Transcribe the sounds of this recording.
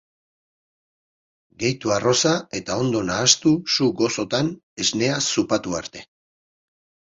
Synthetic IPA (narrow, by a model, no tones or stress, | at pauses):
ɡe̞jt̪uaro̞sae̞t̪ao̞nd̪o̞naːst̪usuɡo̞so̞t̪an | e̞zne̞asupat̪ua̰ɾt̪e̞